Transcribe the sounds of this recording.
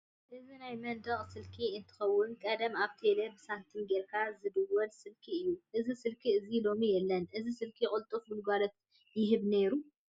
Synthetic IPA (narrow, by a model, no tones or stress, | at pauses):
ʔɨzinajmɐnd̪ɐχʼsɨlkʰiɨnt̪ʰɨ̥xɐwːʊnkʼɐd̪ɐmaβt̪ʰelɐbɨsant̪ʰɨnɡeɾkʰazɨd̪ɨwɐlsɨlkʰiɨjːuʔɨzisɨlkʰiɨzilo̞mijɛlːɐnʔɨzisɨlkʰikʼʊlt̪ʼufmɨlɡʷalɐt̪ | jɪɦɨβne̞ɾu